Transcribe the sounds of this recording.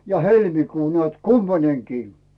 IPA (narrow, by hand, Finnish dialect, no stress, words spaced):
ɑ helmikuː nĕæˑt kumpɑnʲeŋkiː